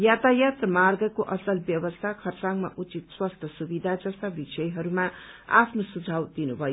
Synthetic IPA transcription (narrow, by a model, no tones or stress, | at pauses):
jat̪ajat̪rʌmarɡʌkoʔʌsʌlbjʌbʌst̪ʰakʰʌrt͡saŋma̰ʔut͡sit̪swast̪ʰjʌsubid̪ʱad͡zʌst̪abisʌjɦʌɾuma | a̰pʰnosud͡zʱawd̪inubʱʌjo